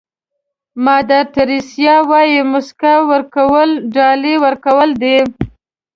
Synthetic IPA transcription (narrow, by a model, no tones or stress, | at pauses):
mɑd̪at̪aɾisjɑwɑjimʊskawəɾkawəlɖɑliwəɾkawəld̪e